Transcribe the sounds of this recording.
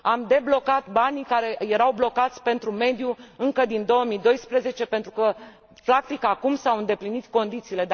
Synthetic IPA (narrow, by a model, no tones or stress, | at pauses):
amd̪e̞blo̞kat̪banikaɾe̞je̞ɾawblo̞kat̪sʲpe̞nt̪ɾume̞d̪juɨŋkəd̪ind̪o̞wəmid̪o̞jspɾe̞ze̞t͡ʃe̞pe̞nt̪ɾukə | flak̚t̪ikakumsawɨnd̪e̞plinit̪ko̞nd̪it̪siːle̞